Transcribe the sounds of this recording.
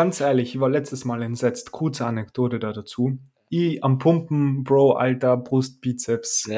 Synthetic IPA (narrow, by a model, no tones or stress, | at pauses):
ɡ̥ant͡sʔɛːɐlɪçvaːɐlɛt͡stəsmaːlɛntz̥ɛt͡stkʰʊɐt͡səanɛkd̥oːtədadat͡suː | ʔiːampʰʊmpm̩b̥ʁoʊʔa̰ltɐbʁʊst̚b̥iːt͡sɛfs